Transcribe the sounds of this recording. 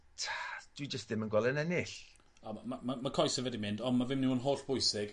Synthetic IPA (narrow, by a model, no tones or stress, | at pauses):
tʰḁd̥wid͡ʒəstðɪmənɡwɛlˠɛnɛnɪɬ | ɔamamamakʰɔjsɛvɛdimɪndɔnmavɪmniwɔnɦoːɬb̥ʊjsɪɡ̥